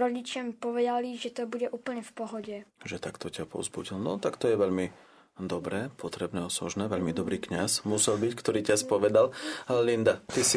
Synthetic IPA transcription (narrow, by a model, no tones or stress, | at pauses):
ɾɔɟit͡ʃampɔʋɛd̪aliʒɛt̪ɔbuɟɛʔuːpl̩ɲɛfpɔɦɔɟɛʒɛt̪akt̪ɔcapɔ̰zbuɟilnɔt̪akt̪ɔjɛʋɛʎmi | d̪ɔbɾɛːpɔt̪ɾɛbnɛːɔsɔ̰ʒnɛːʋɛʎmid̪ɔbɾiːkɲasmusɛlbickt̪ɔɾiːcaspɔʋɛd̪allind̪at̪isi